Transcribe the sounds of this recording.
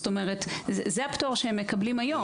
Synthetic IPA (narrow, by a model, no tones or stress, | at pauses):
st̪o̞me̞ʁ̞et̪zzeaptoʁʃehemːekɐblimajo̞